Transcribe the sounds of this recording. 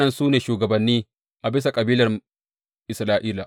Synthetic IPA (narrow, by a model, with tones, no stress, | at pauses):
ɐ˦nsuː˦neː˨ʃuː˨ɡɐ˨bɐ˨nːiː˦ | ʔa˨bɪ˦sa˨kʼɐ˨biː˦lɐ˨r | ʔɪ˨sɾaː˦ʔiː˦laː˨